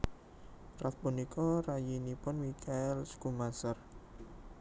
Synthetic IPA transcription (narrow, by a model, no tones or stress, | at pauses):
rat̪̚punikʰɔrajinipʊnmikʰaɛlskumasər